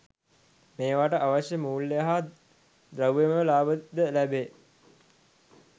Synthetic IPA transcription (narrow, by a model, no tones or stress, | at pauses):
meːʋaʈəʔaʋaɕjəmuːlːejəɦa | d̪ɾəwʋeməʋlaːbəd̪əlæbeː